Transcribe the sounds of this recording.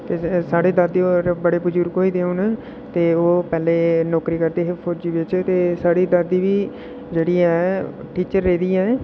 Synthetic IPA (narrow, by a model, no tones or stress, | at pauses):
t̪eːsaːɽeːd̪əd̪oːbəɽeːpʊd͡ʒuːɾkoːiːd̪eːuːn | t̪eːoːpɛːleːnɔːkɾiːkəɾd̪eːɦepʰod͡ʒiːʋɪt͡ʃt̪eːsaːɽiːd̪əd̪iːʋiː | d͡ʒeːɽiːɛː | ʈiːt͡ʃəɾːeːd̪iːɛː